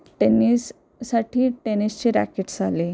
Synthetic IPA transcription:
ʈenisː | aʈʰiːʈenist͡ɕiɾæ̰keʈd͡zʱali

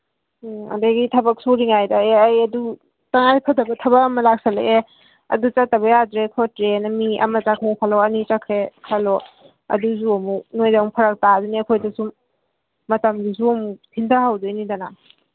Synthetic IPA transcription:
ɐ̰dajɡitʰɐbɐk̚suɾiŋajdɐːjɐdu | taŋajpʰɐdɐbɐtʰɐbɐkɐmɐlak̚sɐlḛʔe | ɐ̰dut͡ʃatːɐβɐjadɾekʰotɾenɐmiʔɐ̰mɐt͡ʃakʰuŋpʰaloɐnit͡ʃakʰɾekʰalo | ɐ̰duzuɐmuk̚nojdamupʰɐɾɐk̚taduniɐkʰojdɐsum | mɐtɐmdisuɐmukpʰindahawdɯjnidana

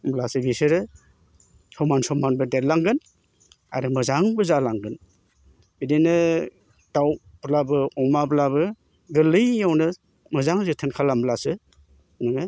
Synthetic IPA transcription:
mblasɯbisɯɾɯ | sɔmansɔmanbɯdet̚laŋɡɯn | a̰ɾɯmɯzaŋbɯzalaŋɡɯn | bidenɯ | tawblabɯɔmablabɯ | ɡɯlɯjːawnɯ | mɯzaŋzɯtʰɯnkʰalamlasɯ | nɯŋɯ

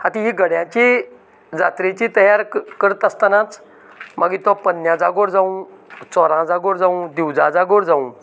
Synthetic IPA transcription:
hat̪iɦiɡəɽjãt͡ɕi | d͡zat̪ɾet͡ɕit̪əɦjaɾkəɾət̪əst̪anat͡s | maɡit̪ɔpənːjãd͡zaɡoɾd͡zaũt͡sɔɾãd͡zaɡoɾd͡zaũd̪iwd͡zad͡zaɡoɾd͡zaũ

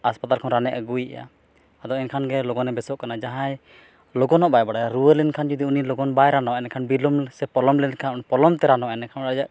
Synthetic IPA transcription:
aspat̪alkʰɔnɾanɛʔəɡujɛ̰ja̰ | ad̪ɔʔɛnkʰanɡɛlɔɡɔnɛbɛsɔʔkanad͡ʒaɦãj | lɔɡɔnɔʔbajbaɽaaɾuwəlɛnkʰand͡ʒɔd̪iunilɔɡɔnbajɾanɔwɛnɛkʰanbilɔmsɛpɔlɔmlɛnkʰanpɔlɔmt̪ɛɾanɔaɛnɛkʰanɾad͡ʒaʔ

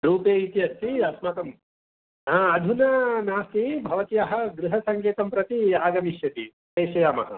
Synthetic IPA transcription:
ɾuːpeːit̪iɐst̪iɐsmɐt̪ɐm | aːɐd̪ʱunɐnaːsibʱɐʋɐt̪ijaɦɐ̆ɡɾuɦɐsɐŋkeːt̪ɐmpɾɐt̪iaːɡɐmiʃjɐt̪i | t̪eːʃɐjaːmɐ̰ɦɐ̰

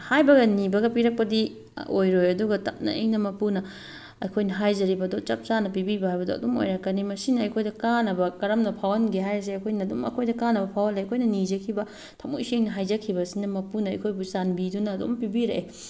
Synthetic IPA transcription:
hajbɐɡɐnibɐɡɐpiɾɐk̚pɐdi | ojɾojɐduɡɐtɐp̚nɐ̰ḛŋnɐmɐpunɐ | ɐ̰jkʰojnɐɦajzɐɾibɐdot͡ʃɐp̚t͡ʃanːɐpibibɐhajbɐdoɐ̰domo̰jɾɐkːɐnimɐsinɐːjkʰojdɐkanɐbɐkɐɾɐmnɐpʰawɐnɡiɦajɐs̬eɐjkʰojnɐdomɐ̰kʰojdɐkanːɐbɐpʰawɐlejɐkʰojnɐnid͡ʒɐkʰibɐ | tʰɐmṵjseŋnɐɦajd͡ʒɐkʰːibɐsinɐmɐpunɐɐ̰jkʰojbusanbidunɐːdo̰mpibiɾɐʔe

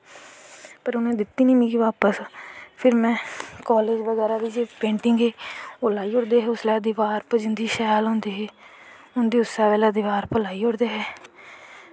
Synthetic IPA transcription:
pəɾʊnẽːd̪ɪt̪ːiːnĩːmĩːkiʋaːpəspʰɪɾmɛ̃ːkaːleːd͡ʒʋəɡɛːɾaːd̪iːd͡ʒeːpẽːɳʈɪŋɡeːolaːiːʊɽd̪eːɦɛːʊslɛːd̪ɪʋaːɾpəd͡ʒənd̪iːʃaːjlɦõːnd̪iːɦɛː | ʊnd̪iːʊsaːʋɛːlaːd̪ɪʋaːɾpəlaːiːʊɽd̪eːɦɛː

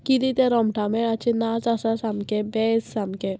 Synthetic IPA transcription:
kid̪it̪eɾɔmʈʰamɛat͡ʃʰinasasasamkebɛsamke

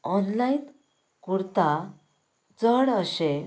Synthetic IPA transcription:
ɔnlain | kuɾt̪a | d͡zəɽəɕe

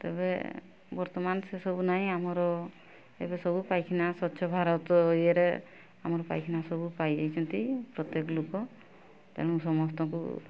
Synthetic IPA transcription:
t̪ḛbḛ | bɔɾt̪ɔmansesɔbunaɦĩamɔɾɔ | ḛbesɔbupajkʰinasɔtːʃʰɔbʱaɾɔt̪ɔɦjeɾḛ | amɔɾɔpa̰jkʰinasɔbupajejt͡ʃʰɔnt̪ipɾɔt̪jekɔlokɔ | t̪a̰lɔ̃ŋsɔmɔst̪ɔkṵ

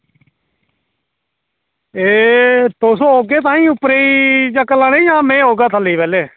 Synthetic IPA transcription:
eːt̪oːsoːɦoːɡeːt̪ãːĩːʊpɾeːid͡ʒaːkəlãːneijãːmẽːɦoːɡaːt̪ʰəliːpɛːleː

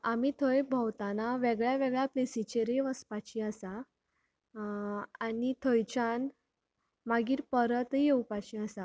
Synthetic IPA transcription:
amit̪ʰəjbʱəwt̪anaʋɛɡɭjaʋɛɡɭjaplesit͡ɕeɾeʋəspat͡ɕiəsa | anit̪ʰəjt͡ɕan | maɡiːɾpəɾət̪ɦijewpat͡ɕiəsa

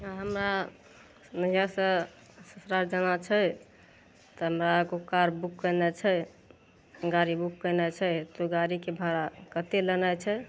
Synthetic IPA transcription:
aɦəmɾa | nəɦijasə̃ | səsɾaɾd͡ʒənat͡ʃʰə | t̪ɔɦəmɾaɡokaɾbukːənɛt͡ʃʰɛ | ɡaɾibukːənɛt͡ʃʰət̪oɡaɾikebʱaɾakət̪elənat͡ʃʰɛ

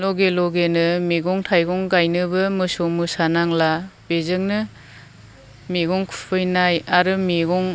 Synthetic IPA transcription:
lɔɡelɔɡenɯmiɡɔŋtʰajɡɔŋɡajnɯbɯmɯsomɯsanaŋlab̥ezɯŋnɯ | miɡɔŋkʰu̥pʰɯjnajaɾɯmiɡɔŋ

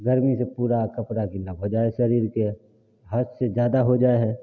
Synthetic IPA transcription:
ɡəɾmisepuːɾakɐpɾakiləɡɦod͡ʒaːeʃɐɾiːɾke | ɦəssed͡ʒjaːd̪aɦod͡ʒaːeɦɛ

